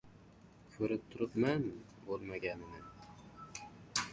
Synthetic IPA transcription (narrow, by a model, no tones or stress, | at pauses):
kʲʰɵɾɪp̚t̪ʰʊɾɪpman | bolˠmaɡʲanɪnɪ